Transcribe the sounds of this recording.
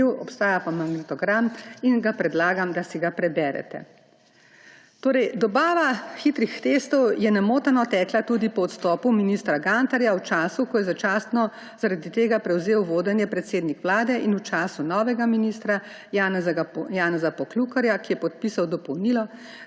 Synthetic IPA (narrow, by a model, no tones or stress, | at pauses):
iwɔpst̪aːjapamaɡnit̪ɔɡɾaminɡapɾɛd̪laːɡamd̪asiɡapɾɛbɛːɾɛ̰t̪ɛ̰ | t̪oːɾɛjd̪ɔbaːʋaxit̪ɾixt̪eːst̪ɔwjɛnamoːt̪anɔt̪ɛːklat̪uːd̪ipɔɔt̪st̪ɔːpuminist̪ɾaɡant̪aɾjawt͡ʃaːsukɔjɛzat͡ʃaːst̪nɔ | zaɾad̪it̪eːɡapɾɛwzeːwʋoːd̪ɛnjɛpɾɛt̪seːd̪nikʋlaːd̪ɛʔinut͡ʃaːsunɔːʋɛɡaminist̪ɾa | jaːnɛzɡjaːnɛzapɔklukaɾjakijɛpɔt̪̚piːsawd̪ɔpɔwnilɔ